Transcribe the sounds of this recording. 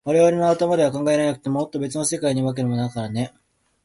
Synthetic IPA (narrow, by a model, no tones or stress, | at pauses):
βaɾe̞βaɾenoat̪amad̪e̞βakãŋɡae̞ɾanakɯ̟t̪e̞mo̞ot̪ːo̞be̞t͡sɨno̞se̞kaiɲ̟iβak̬eɾɯ̟mo̞nakaɾane̞